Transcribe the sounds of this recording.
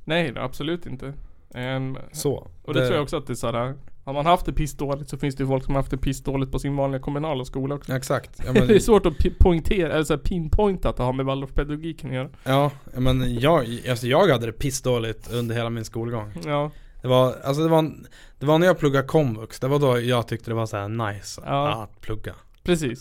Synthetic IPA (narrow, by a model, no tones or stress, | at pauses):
nɛj̰a̰b̥sɔlʉ̟ːt̪ɪnt̪ə | sɔ̰ʔɔd̪ɛɾuːjaɔksɔat̪̚d̪ɛsæːɾahaɾmanhaft̪̚d̪ɛpʰɪsd̪oːlɪt̪sɔfɪnsd̪ɛjʏfɔlksɔmaɾhaft̪d̪ɛpʰɪsd̪oːlɪt̪̚pʰɔsɪnvɑːnlɪɡakʰɔmɵnɑːlaskuːlaɔksɔɛksakt̪jɑmɛd̪ɛɛsvoːʈɔpʰɔɪnt̪ʰeːɾaʔɛlːɛsæːɾpʰiːnpʰɔjnt̪at̪̚d̪ɛhaɾmɛvald̪ɔʂpʰɛd̪aɡʊɡiːkʰːanɪjœːɾajɑːjːmɛnjɑːɡasɔjɑːɡhad̪ːəd̪ɛpʰɪsd̪oːlɪt̪ɵnd̪əɾheːlamɪnskuːlɡɔŋːjɑːd̪̥ɛvaa̰lsɔd̪ɛva | d̪̥ɛvanæɾjɑːɡ̚plɵɡːakʰɔmvɵksd̪ɛvad̪ɔjɑːɡt̪ʰʏk̚t̪əd̪ɛvasɔæ̰ːnajsɑːa̰t̪pʰlɵɡːa̰ | pʰɾɛsiːs